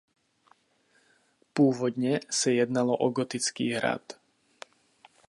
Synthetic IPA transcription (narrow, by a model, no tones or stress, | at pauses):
pʊɔːʋɔd̪ɲɛsajɛd̪nalɔʔɔɡɔt̪it͡skḭːɦɾa̰t̪